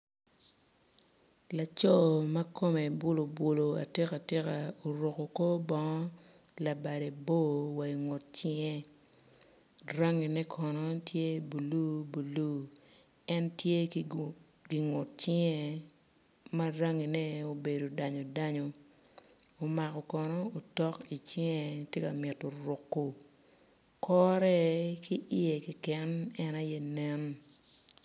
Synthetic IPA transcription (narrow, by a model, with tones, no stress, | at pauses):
la˨t͡ʃɔ˦ma˦ko˦me˨bwo˦lo˨bwo˨lo˨a̰˨tɪ˦ka˨tɪ˦ka˨o˨ɾo˨ko˨ko˦bɔ˦ŋɔ˦ | la˨ba˨de˨bo˦wa˨i˨ŋo˨t̚t͡ʃɪ˦ŋɛ˦ | ra˦ŋi˨nɛ˦kʰɔ˨nɔ˦tje˦bu˨lu˦bu˨lu˦ | ɛ˦ntje˦ | ɡi˨ŋo˨t̚t͡ʃɪ˦ŋɛ˨ | ma˦ɾa˦ŋi˨nɛ˦o˨be˨do˨da˨ɲo˨da˦ɲo˨ | o˨ma˨kɔ˨kɔ˨nɔ˦o˨tɔ˦ki˨t͡ʃɪ˦ŋɛ˨tje˦ka˨mɪ˨tːo˨ɾʊ˨kːo˨ | kɔ˦ɾɛ˦ki˦ʔi˦e˨ki˨kɛ˦nɛ˦na˦jɛ˦nɛ˦n